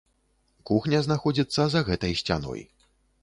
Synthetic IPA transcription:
kuxnʲɐznaxɔd͡zʲit̪sːɐzɐɣɛt̪ɐjsʲt͡sʲa̰nɔ̰j

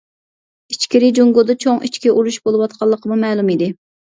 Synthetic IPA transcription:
it͡ʃkʲɪɾɪd͡ʒoŋɡod̪ɑt͡ʃʰoŋit͡ʃkʲɛʔuɾuʃbolˠɨwɑt̪qʰɑlˠːəqʰəmumɛːlˠumid̪ɪ

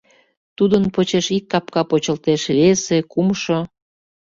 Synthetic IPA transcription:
t̪ud̪ənpot͡ɕeʃikːɑpkɑpot͡ɕəlt̪eʃβesekumʃo

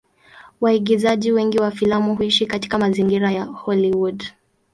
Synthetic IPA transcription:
waiɡizaʄiwɛŋɡiwafilamuhuiʃikati̥kamaziŋɡiɾajahɔliwud

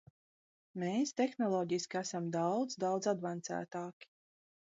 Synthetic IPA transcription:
meːst̪exnɔlˠɔːɟiskʲiæsamd̪awd̪zd̪awd̪zad̪vant̪sæ̰ːt̪aːkʲi̥

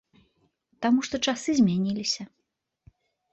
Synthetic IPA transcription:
t̪amuʂt̪ɔt͡ʂasɨzʲmʲanʲilʲisʲɐ

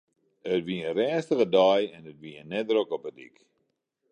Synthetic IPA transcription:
ətʋiənrɛːnstəɣədɑjɛnətʋiənɛdrokɔpədḭk

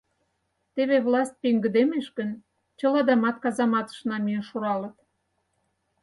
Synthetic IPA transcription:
t̪eβeβlɑst̪̚ʲpeŋɡə̆d̪emeʃkə̆n | t͡ɕə̆lɑd̪ɑmɑt̪kɑzɑmɑt̪ə̥̆ʃnɑmyjənʃuɾɑlə̆t̪

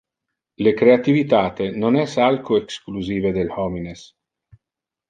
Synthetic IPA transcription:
lekɾeat̪ivit̪aːt̪enonɛsalkoekskluziːved̪elhɔmines

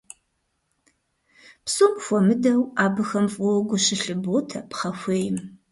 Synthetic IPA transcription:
psumxʷɔmɨdɐwaːbɨxɐmfʼʊɡʷʊɕɪɬɨboːtʰɐpχɐxʷeːjɪm

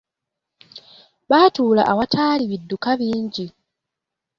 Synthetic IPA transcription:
βaːtuːla̰ʔawatʰaːliβidːukaβiːɲɟi

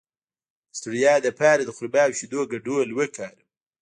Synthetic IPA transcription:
st̪uɽijɑːd̪əpɑːɾad̪əxʊɾbɑːwʃid̪oːɡaɖolwəkʰɑːɾ

